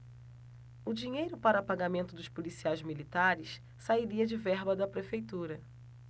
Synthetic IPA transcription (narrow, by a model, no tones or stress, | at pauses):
ʊd͡ʒiɲejɾʊpaɾɐpaɡamẽnt̪ʊd̪ʊspolisiajzmilit̪aɾɪs | saiɾiɐd͡ʒɪvɛɦbɐd̪ɐpɾefejt̪uɾɐ